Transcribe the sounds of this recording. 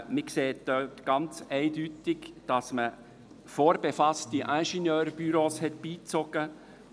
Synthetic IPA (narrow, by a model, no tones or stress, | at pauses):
mɪkseːt̚d̥œtɡ̥ɑnt͡sɛɪdytɪɡd̥ɑsmə | foːɾbefɑstiʔæ̃ʃinjøːɾb̥yɾoːshɛtb̥iːt͡sɔɡ̥ə